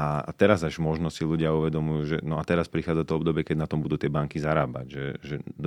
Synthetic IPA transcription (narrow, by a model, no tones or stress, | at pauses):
a̰t̪ɛɾazaʒmɔʒnɔsiluɟɪauʋɛd̪ɔmujuːʒɛnɔat̪ɛɾaspɾixaːd͡zat̪ɔɔbd̪ɔbɪɛkɛɟnat̪ɔmbud̪uːt̪ɪɛbaŋkizaɾaːba̰ɟʒɛ̰ʒɛd̪